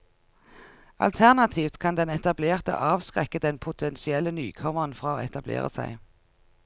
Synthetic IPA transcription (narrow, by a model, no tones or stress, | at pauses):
ʔɑ̰lt̪ʰæʁnɑt̪ʰiːft̪kʰɑnd̪ɛnɛt̪ɑbleːʁt̪ə̰ʔɑːʋskʁɛkəd̪ɛnpʰʊt̪ʰɛnsɪɛlːəny̰ːkʰɔməʁənfʁɑːoːɛt̪ɑblḛːʁə̰sæ̰ɪ